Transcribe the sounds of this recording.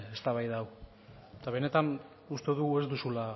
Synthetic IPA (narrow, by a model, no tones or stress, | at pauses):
est̪aβajðaw | t̪aβ̞e̞ne̞t̪an | ust̪e̞ðuɣue̞zd̪usula